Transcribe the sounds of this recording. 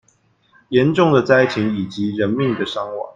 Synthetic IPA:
jɛ˨˦nʈ͡ʂʊ˥˩ŋd̪ə˨t͡sa˥ɪtʰi˨˥ŋi˨˩t͡ɕi˨˦ɻə˧˥nmi˥˨ŋd̪ə˨ʂɑ˥ŋwɑ̰˨˩˦ŋ

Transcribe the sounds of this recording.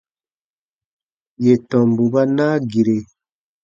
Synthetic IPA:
je˨tɔ˨mbu˨βa˦na˦ɡi˨ɾe˨

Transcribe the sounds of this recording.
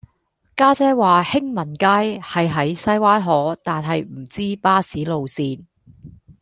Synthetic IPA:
kaː˥t͡sɛː˥waː˨hɪ˥ŋmɐ˨˩nkaː˥jhɐ˨jɦɐ˨˥jsɐ˥jwaː˥jɦɔː˨˥t̪aː˨nɦɐ˨jm̩˨˩t͡siː˥paː˥siː˨˥lo˨wsiː˧n

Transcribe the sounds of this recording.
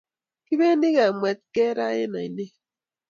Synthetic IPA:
ki˦βe˦ni˦ɣa˨mwɛ˨t̪̚kɛ˦ɾa̰˦ḛ˦na˨i˨ne˦

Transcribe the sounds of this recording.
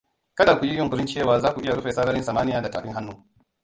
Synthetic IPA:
kɐ˦daː˨ku˨ji˦jɔ˦˨kʷʊ˨ɾɪ˦nt͡ʃeː˦˨waː˨zaː˦kʷu˨ʔɪ˦ja˨ɽʊ˦ɸeː˨sɐ˦ɽɐ˦ɾɪ˦nsaː˨maː˦nɪ˦jaː˨da˨ta̰ː˨ɸɪ˦ɦa˦nːuː˦

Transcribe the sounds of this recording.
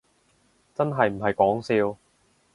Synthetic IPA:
t͡sɐ˥nɦɐ˨jm̩˨˩ɦɐ˨jkɔː˨˥ŋsiː˧w

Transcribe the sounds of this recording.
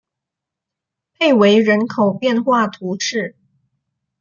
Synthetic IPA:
pʰe˥˩ɪwe˧˥ɪɻə˧˥nkʰo˨˩ʊpjɛ˥˧nxwa˥˩t̪ʰu˧˥ʂɻ̩˥˩

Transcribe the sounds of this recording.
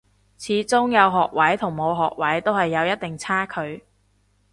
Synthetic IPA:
t͡sʰiː˨˥t͡sʊ˥ŋjɐ˨˧wɦɔː˨k̚wɐ˨˥jt̪ʰʊ˨˩ŋmo˨˧wɦɔː˨k̚wɐ˨˥jt̪o˥whɐ˨jːɐ˨˧wjɐ˥t̪̚t̪ɪ˨ŋt͡sʰaː˥kʰɵ˨˧ɥ

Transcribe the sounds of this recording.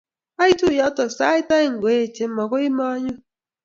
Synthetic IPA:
a˦i˦tu˦˨jɔ˦tɔ˨sa˦ɪ˦ta˦ɪ˦ŋ̩˨ɡe˨e˦˨t͡ʃe˨m̩˦mɔ˨kʷo˦i˦ma˦ɲʊ˦

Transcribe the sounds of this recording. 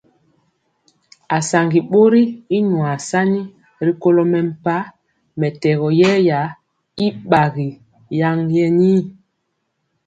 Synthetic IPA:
a˨sa˨ŋɡi˨ɓo˦ɾi˦i˦ɲwa˨sa˦ni˦ | ɾi˦ko˦lɔ˦mɛ˨m̩˨pa˦ | mɛ˨tɛ˨ɣɔ˨jɛ˦ja˨˦ | i˦ɓa˨ɣi˨ | ja˦ŋjɛ˦niː˦

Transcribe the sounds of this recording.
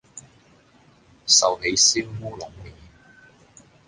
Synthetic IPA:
sɐ˨whe˨˧˥jsiː˥mwuː˥lʊ˨˥ŋmiː˨˩

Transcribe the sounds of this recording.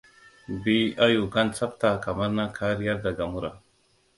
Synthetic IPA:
bi˦a˦ju˨ka˦nt͡sa˦p̚t̪a˨ka˨ma˦ɾna˦kʰa˦ɾi˦ja˦ɾd̪a˨ɡa˨mu˦ɾa˨

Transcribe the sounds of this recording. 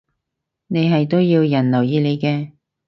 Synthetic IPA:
ne˨˧jɦɐ˨jt̪o˥wjiː˧wjɐ˨˩nlɐ˨˩wjiː˨˧le˨˧jkɛː˧

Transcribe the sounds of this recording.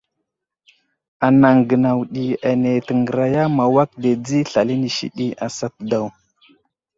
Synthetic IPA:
a˨na˨ŋɡə˨na˨wɗi˨a˨ne˨tə˨ŋɡə˨ɾa˨ja˦ma˨wa˦k̚de˨d͡zi˦ɬa˨li˦ni˨ʃḭ˦ɗi˦a˨sa˨t̚da˨w

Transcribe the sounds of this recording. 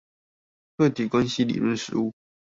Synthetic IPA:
t̪ʰwe˥˩t̪ʰi˨˩kwa˦nɕi˥lḭ˨˩lwə˥˨nʂɻ̩˧˦u˥˩

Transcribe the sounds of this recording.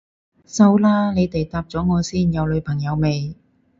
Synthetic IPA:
sɐ˧wlaː˥ne˨˧jt̪e˨jt̪aː˧p̚t͡sɔː˨˥ŋɔː˨˧siː˥njɐ˨˧wlɵ˨˧ɥpʰɐ˨˩ŋjɐ˨˧wme˨˧j

